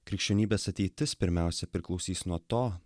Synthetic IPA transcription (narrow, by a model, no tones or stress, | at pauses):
kɾʲɪkʃʲt͡ʃʲɛnʲiːbʲeːsɐt̪ʲɛɪt̪ʲɪspʲɪɾʲmʲæˑʊsʲɛpʲɾʲɪklˠɒʊsʲiːsnuɔt̪oː